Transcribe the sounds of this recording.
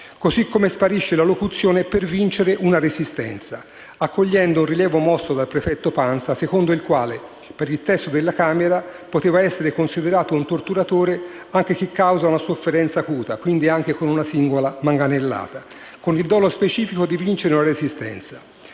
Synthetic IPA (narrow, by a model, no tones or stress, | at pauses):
kozikːomespaɾiʃːelalokut̪sːjoːnepervint͡ʃeɾeʔunaɾezist̪ɛ̰nt̪sa | akːoʎːɛnd̪ounriljɛːvomɔsːod̪alpɾefɛt̪ːopansasekond̪oilkwaːle | peɾilt̪ɛst̪ːod̪elːakaːmeɾapot̪eːvaɛsːeɾekonsid̪eɾaːt̪ount̪ort̪uɾat̪oːɾe | aŋk̟ek̟ekːawzaunasofːeɾɛnt̪saːkuːt̪akwind̪iaŋk̟ekonunasiŋɡolamaŋɡanelːa̰ːt̪a | konild̪ɔːlospet͡ʃiːfikod̪ivint͡ʃeɾeunaɾezist̪ɛ̰nt̪sḁ